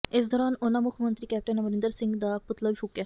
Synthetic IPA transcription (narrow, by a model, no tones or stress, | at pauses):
ɪs̬d̪ɔːɾaːnʊnãːmʊkʰmə̃nt̪ɾiːkɛːp̚ʈənməɾɪ̃nd̪əɾsɪ̃ŋɡd̪aːpʊt̪ləbiːɦʊkjaː